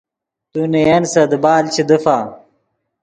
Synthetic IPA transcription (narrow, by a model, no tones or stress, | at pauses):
t̪unejensɐd̪ɨbaːlt͡ɕʰid̪əfa